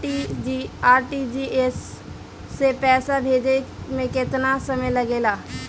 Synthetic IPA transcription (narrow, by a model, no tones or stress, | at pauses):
id͡ʒiaːɾʈid͡ʒiesː | epɛːsabʱeːd͡ʒemẽkɪt̪nasɐməjləɡeːlaː